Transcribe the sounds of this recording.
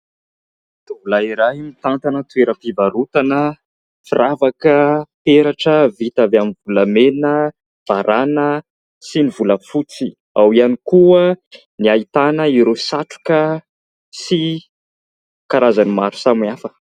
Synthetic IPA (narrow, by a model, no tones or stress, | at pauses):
t̪uvulaiɾaɦimit̪ant̪anət̪ueɾəpivaɾut̪anə | firavakəpeɾaʈ͡ʂəvit̪avaminvuləmenə | v̥aɾʔanə | sinivuləfut͡si | a̰wianikuə | niait̪anəiɾosaʈ͡ʂu̥kə | si | kaɾazanimaɾu̥samafə